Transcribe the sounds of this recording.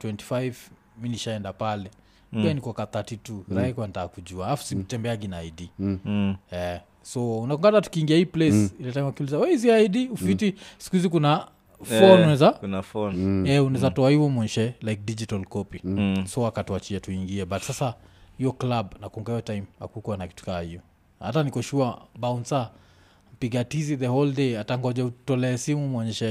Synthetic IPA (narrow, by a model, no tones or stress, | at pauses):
twɛnti̥fajv | miniʃaɛndapalɛ | ianikɔkaθatituɾakuanitakud͡ʒualafu̥sitɛmbɛaɡinaːjdi | ɛ | sɔunakɔŋɡanatu̥kiːŋɡiahiːplɛsilɛtajmakiulizawɛiziajdiufitisi̥kuizikuna | fɔnunɛzakunafɔnɛunazatɔahivɔmwɛɲɛʃɛlajk̚did͡ʒitalkɔpisɔakatuat͡ʃiɛtuiŋɡiɛbatsasa | hiɔklabnakɔŋɡaiɔtajima̰kukuanaki̥tu̥kahiɔ | ha̰tanikɔʃuabaunsa | m̩piɡatiziðɛhɔldeataŋɡɔd͡ʒɛutɔlɛːsimumwɔɲɛʃɛ